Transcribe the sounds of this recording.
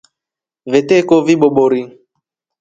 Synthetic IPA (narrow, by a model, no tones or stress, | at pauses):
vetekoviɓoɓoɾi